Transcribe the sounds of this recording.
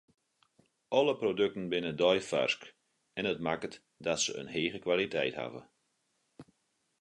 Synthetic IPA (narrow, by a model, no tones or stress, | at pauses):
ɔləprodøk̚tən̩bɪnədɔjfa̰rsk | ɛnət̚makət | dɔtsəə̰nɦeːɣəkʋalitʰɛ̰jtha̰və̰